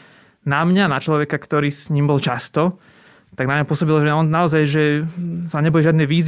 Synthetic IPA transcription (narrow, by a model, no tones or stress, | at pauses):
namɲanat͡ʃlɔʋɛkakt̪ɔɾiːsɲiːmbɔlt͡ʃast̪ɔ | t̪aɡnamɲapʊɔsɔbilʒɛɔnnaɔzajʒɛsaɲɛbɔjɛʒɪad̪nɛjʋiːz